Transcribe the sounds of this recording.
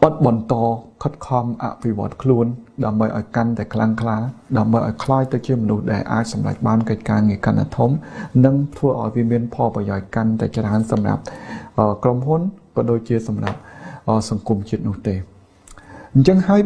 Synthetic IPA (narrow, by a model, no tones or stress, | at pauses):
ʔɑt̪̚ɓɑnt̪ɑːkʰət̪̚kʰɑmʔa̰ʔpʰiʋŏət̪̚kʰluənɗaəmɓəjʔaɔjkant̪aɛkʰlaŋkʰlaːɗaəmɓəjʔa̰ɔjkʰlaːjt̪ɨwt͡ɕiəmɔnuhɗaɛlʔa̰ːc̚sɑmra̰c̚ɓaːnkəc̚kaːŋiəkanʔa̰ːt̪ʰumnɨŋt̪ʰʋəːʔaɔjʋiəmiənpʰɑlprɑjaɔc̚kant̪aɛt͡ɕraənsɑmra̰p̚ʔəːkromɦunkɔːɗoːc̚t͡ɕiəsɑmra̰p̚ʔəːsɑŋkumt͡ɕiət̪̚nʊ̆əht̪eː | ɲt͡ɕəŋhaəj